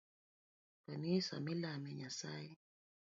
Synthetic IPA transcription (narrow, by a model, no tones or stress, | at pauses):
kanisa̰milamɛɲasai